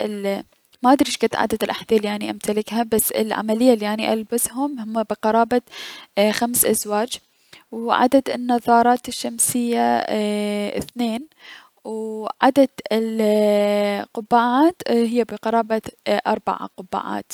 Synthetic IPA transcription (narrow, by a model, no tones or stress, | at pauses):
ʔɪl | maʔad̪ɾiʃkat̪ʕa̰d̪ad̪ɪlʔa̰ħd̪ilːiʕaniʔamt̪alɪkhabasːɪ̰lʕa̰malɪjːalːiʕaniʔalbasɦʊmhʊmːabɪqɑɾˤɑːba | xamsʔazwaːd͡ʒ | wʕa̰d̪ad̪ɪnːɑðˤɑːɾˤɑːt̪ɪʃːamsɪjːa̰ | θneːn | wʕad̪ad̪ɪl | qʊbːaːʕaːt̪hɪjːabɪqɑɾˤɑːbaʔɑɾˤba̰ʕa̰qʊbːa̰ʕa̰ːt̪